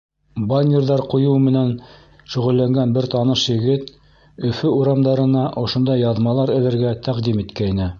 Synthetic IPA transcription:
bɑnʲːerðɑɾqŭjuwmɘ̆næn | ʃɵ̆ʁɵ̆lːæŋɡænbɘɾt̪ɑnɤʃjɘ̆ɡɘt̪ | ɵ̆fɵuɾɑmd̪ɑɾɤ̆nɑʔŏʃŏnd̪ɑjːɑðmɑlˠɑɾɘ̆lɘ̆ɾɡæt̪ʰæqd̪imit̪kæjnɘ

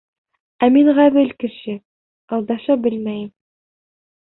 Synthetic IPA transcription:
æmiɴʁæβɘlkɘ̆ʃɘ | ɑlˠd̪ɑʃɑbɘlmæjɘm

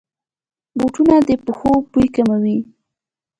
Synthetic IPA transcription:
boʈunad̪əpəxopujkamawi

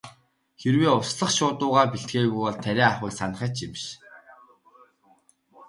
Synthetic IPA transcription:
xerweːʊsɮə̆χʃʊːt̪ʊːʁaːpiɬt̪̚ɡeːɣujpɔɮt̪ʰæɾʲæːaχɪːksan̆χə̆ːt͡ɕɪmʃ

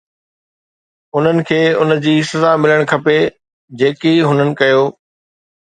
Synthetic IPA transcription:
ʊn̤ənɪ̆kʰeːʊnd͡ʑiːsɐzamɪləɽ̃kʰɐpe | d͡ʑeːkiɦʊnənɪ̆kɐjoː

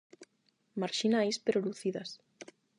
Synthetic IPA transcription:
maɾʃinajspeɾoluθiðas

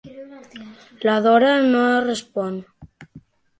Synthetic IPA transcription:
laðɔɾanorespɔn

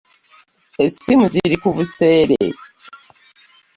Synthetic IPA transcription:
esimuziɾikuβuse̞ːɾḛ

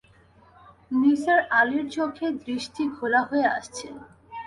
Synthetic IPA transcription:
niseɾaliɾt͡ɕokʰed̪ɾiʃʈʰikʰolaɦoea̰ʃt͡ɕʰen

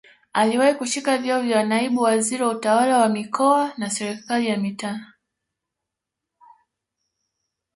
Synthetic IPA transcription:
aliwahikuʃikavjaɔvjawnaiɓuwaziɾiwautawalawamikɔanasɛɾɛkalijamita

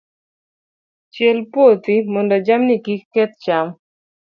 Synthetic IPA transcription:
t͡ʃɛlpwot̪imondad͡ʒamnikikːɛt̪̚t͡ʃam

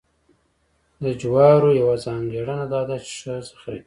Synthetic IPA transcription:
d̪əd͡ʒwɑɾojawazɑŋɡeɽənad̪ɑd̪at͡ʃe̥ʂəzəxaii

